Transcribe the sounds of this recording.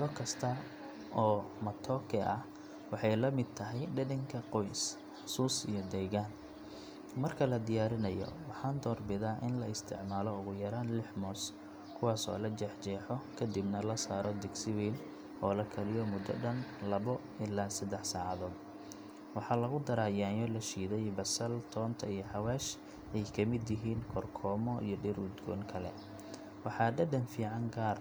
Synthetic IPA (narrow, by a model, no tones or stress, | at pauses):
ðɔkʰɐst̪ʰɐ | ʔɔːmɐt̪ʰɔːkʰɛʔɐh | wɑħɑjlɐmɪd̪̚t̪ʰɐɦɛjɖɐdɪŋkʰɐqɔjs | ħsuːsijɔd̪ɛːɣaːn | mɐrkʰɐlɐd̪ɪjaːɾɪnɐjɔ̰wɑħɑːnd̪ɔːrbɪðaːʔɪnlɐɪst̪ʰɪ̰ʕmaːlɔʊɣʊjɐɾaːnlɪħmɔːs | kʰʊwɑːsɔ̰ːlɐd͡ʒɛħt͡ʃɛːħɔkʰɐd̪ibnɐlɐsaːɾɔd̪ɪɡsɪwɛːl | ɔːlɐkʰɐlɪjɔmʊd̪ɔ̰ɖɐnlɐβɔ | ɪlaːsɐd̪ɛħsaːʕɑðɔːd̪ | wɑħɑːlɐɣʊd̪ɐɾaːjaːjɔlɐʃiːðɛjbɐsɐlt̪ʰɔːnt̪ʰɐijɞħɑwaːʃ | ɛjkʰɐmɪd̪jɪɦiːnkʰɔrkʰɔːmɔʔḭjɞɖɪrʊd̪ɡɔ̰ːŋkʰɐlɛ̰ | wɑħɑːɖɐɖɐnfiːʕɑŋɡaːr